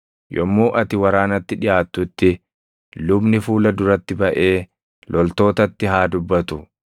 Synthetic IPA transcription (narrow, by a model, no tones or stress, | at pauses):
jɔmːuːʔɐt̪ɪwɐɾaːnɐt̪ːɪᶑɪjaːt̪ːʊt̪ːɪ | lʊbnɪfuːlɐd̪ʊɾɐt̪ːɪbɐʔe̞ː | lʔɔlt̪o̞ːt̪ɐt̪ːɪɦaːd̪ʊbːɐt̪ʊ